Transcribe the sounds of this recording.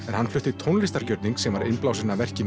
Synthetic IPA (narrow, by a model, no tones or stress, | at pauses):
ɛɾ̥hanflʏht̪ɪt̪ʰownlɪst̪aɾcœɾt̪niŋksɛmvaɾɪnplawsɪnavɛr̥cɪn